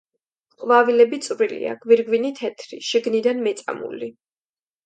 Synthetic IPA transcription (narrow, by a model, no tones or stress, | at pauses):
qʼvavilɛbit̪sʼvɾilḭa̰ɡ̥viɾɡvinit̪ʰɛt̪ʰɾḭʃiɡnid̪anmɛt̪sʼa̰mṵli